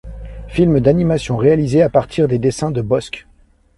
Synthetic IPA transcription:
filməd̪animasjɔ̃ʁealizeapaʁt̪ʰiʁd̪ed̪esɛ̃d̪əbɔsk

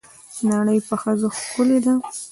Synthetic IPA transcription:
naɽəjpəxəzoxkʊled̪a

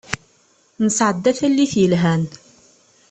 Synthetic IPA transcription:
nəsʕəd̪ːæθælːiθjəlɦæn

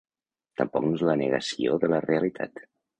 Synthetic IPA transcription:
t̪əmpɔ̰knoezlənəɣəsioðələreəlit̪ʰa̰t̪

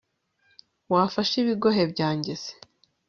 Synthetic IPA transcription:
wafaʃiβiɡo̞ɦe̞bɟaːɲɟez̥e̥

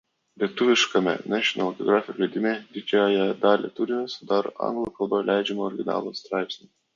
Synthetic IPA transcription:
lʲiɛt̪ʊʋʲɪʃkɐmʲɛ̰nʲæʃʲɔnɐlˠk̪ʲɔɡɾɑːfʲɪjolʲɛɪd̪ʲɪmʲeːd̪ʲɪd͡ʒʲæːjɛd̪ɑːlʲḛt̪ʊɾʲɪnʲɛsʊd̪ɑɾo̰ʔɐ̰ŋɡlˠukɐlˠbɐlʲæɪd͡ʒʲɛmoɔɾʲɡʲɪnɑ̰ːlˠoːst̪ɾɑɪpʲsʲnʲɪ

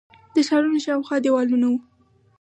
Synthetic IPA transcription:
d̪̥əʃɑɾunoʃɑwxwɑd̪ewɑlunawu

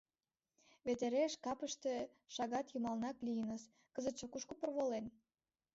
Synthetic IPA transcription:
βet̪eɾeʃkɑpəʃt̪ĕ | ʃɑɣɑt̪jumɑlnɑklijənəs | kəzə̆t̪t͡ʃokuʃkopərβolen

